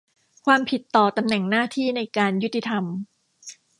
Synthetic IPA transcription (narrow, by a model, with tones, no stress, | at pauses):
kʰwaː˧mpʰi˨˩t̪ːɔː˨˩t̪a˧mnɛ˨˩ŋnaː˥˩t̪ʰiː˥˩na˧jkaː˧nju˦˥t̪ːi˧t̪ʰa˧m